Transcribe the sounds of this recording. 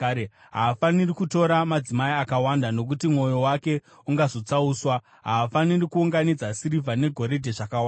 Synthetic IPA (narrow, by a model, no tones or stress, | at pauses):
ɦaːfanirikuto̞ɾamad͡zimaiakawandano̞k̬utimŋo̞jo̞wake̞ | uŋɡazo̞t͡sauːswa | ɦaːfanirikuuŋɡanid͡zasiɾivʱane̞ɡʱo̞ɾe̞dʱe̞ʐakawaa